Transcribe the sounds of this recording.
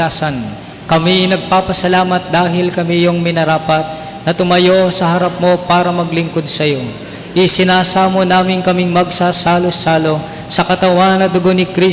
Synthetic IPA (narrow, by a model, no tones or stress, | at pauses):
aːsɐn | kɐminɐɡ̚paːpɐsɐlaːmɐt̪̚d̪aːɦɪlkɐmijoŋmɪnɐɾaːpɐt̪̚ | nɐt̪ʊmɐjosɐɦɐɾap̚mo̞paːɾɐmɐɡlɪŋko̞d̪̚sɐjo̞ | ʔɪsɪnaːsamonaːmɪnkɐmɪŋmɐɡ̚sasaːlosaːlo̞ | sɐkɐt̪ɐwanːɐd̪ʊɡonɪkɾi